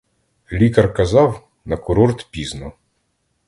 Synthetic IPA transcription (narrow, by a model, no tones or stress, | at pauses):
lʲikɐrkɐzɑw | nɐkʊɾɔrt̪pʲiznɔ